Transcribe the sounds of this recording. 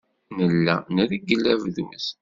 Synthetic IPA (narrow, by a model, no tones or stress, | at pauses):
nəlːæ̰nəɾiɡəlːævðumə̰s